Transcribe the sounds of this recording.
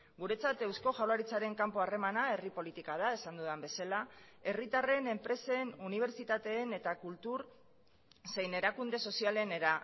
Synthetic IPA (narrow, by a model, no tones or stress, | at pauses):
ɡuɾe̞t͡sat̪e̞wsko̞ʝawlaɾit͡saɾe̞ŋkampo̞are̞manae̞ripo̞lit̪ikaðae̞sand̪uðambe̞salae̞rit̪are̞ne̞mpɾe̞senuniβ̞e̞ɾt͡sit̪at̪e̞ːne̞t̪akult̪uɾ | se̞jne̞ɾakund̪e̞so̞siale̞ne̞ɾa